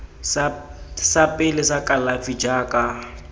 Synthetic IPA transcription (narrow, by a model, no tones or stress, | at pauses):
s | sapʼɪlɪsakʼalafid͡ʒaːkʼa